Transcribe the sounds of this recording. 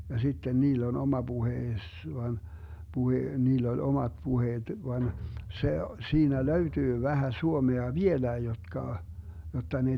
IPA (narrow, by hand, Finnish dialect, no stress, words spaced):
jɑ sitːen niːlː on omɑ b̥uheːs ʋɑn b̥uhe niːlː olʲ omɑt puheːt ʋɑn se siːnæ løytyː ʋæhæ suomeɑ ʋielæi jotkɑ jotːɑ ne